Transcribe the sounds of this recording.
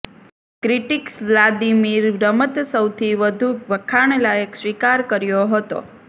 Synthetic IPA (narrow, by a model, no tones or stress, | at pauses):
kɾiʈikslad̪imiɾːəmət̪səwt̪ʰiʋəd̪ʱuʋəkʰaɳ̃lajəksʋikaɾkəɾjoɦət̪o̰